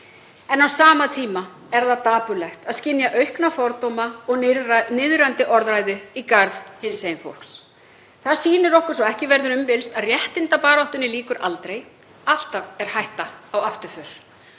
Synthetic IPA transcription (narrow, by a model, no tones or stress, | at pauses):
ɛnawsaːmat̪ʰiːma | ɛɾðaðt̪aːpʏlɛxt̪aðscɪnjaʔœɥhknafɔɾt̪ɔwmaɔɣnɪðɾant̪ɪʔɔɾðɾajðʏikaɾðhɪnsejɪnfo̰wl̥ks | θaðsiːnɪɾɔhkʏɾ̥sɔɣɛhcɪvɛɾðʏɾʏmpɪlst̪aðrjɛht̪ɪnt̪apaːɾaht̪ʏnɪliːkʏɾʔa̰lt̪ɾej | al̥t̪avɛɾ̥hajht̪aawaft̪ʏɾfʏɾ̥